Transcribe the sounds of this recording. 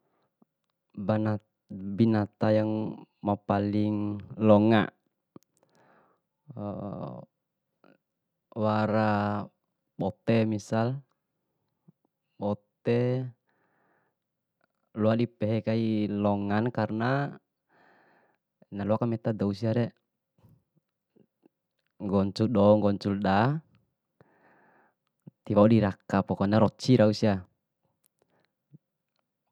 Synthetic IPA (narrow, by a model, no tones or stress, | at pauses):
bana | binat̪ajaŋmapaliŋlɔŋa̰ | waɾa | bɔt̪ɛmisal | bɔt̪ɛ | luadipɛɦɛkailɔŋankarna | naluakamɛt̪adɔusiaɾɛ | ŋɡɔɲt͡ʃuɗɔŋɡɔɲt͡ʃulda | t̪iwaudiɾakapɔkɔnaɾɔt͡ʃːiɾausia